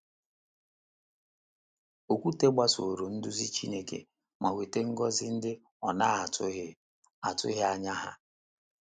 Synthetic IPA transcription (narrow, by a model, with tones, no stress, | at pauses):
o˨kʷu˦te˦ɡ͡ba˦so˨ɾo˨n̩˦dʊ˦zi˦t͡ʃi˦ne˦kḛ˨ | ma˨we˨te˦ŋ̩˦ɡɔ˦zɪ˦n̩˦dɪ˦ | ɔ˨na˦a˨tʊ˦ | a˨tʊ̰˦ɦɪ˦a˨ɲa˦ɦa̰˦